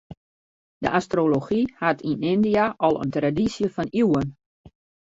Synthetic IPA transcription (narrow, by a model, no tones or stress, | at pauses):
d̥əʔastroloxihatʰinɪndiaʔɔlˠə̰ntradisjəfɔniwən